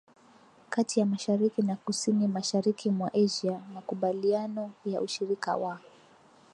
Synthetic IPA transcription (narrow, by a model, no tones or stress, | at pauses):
katijamaʃaɾikinakusinimaʃaɾikʰimwaʔɛʒiamakuɓalianɔjaʔuʃiɾika̰wa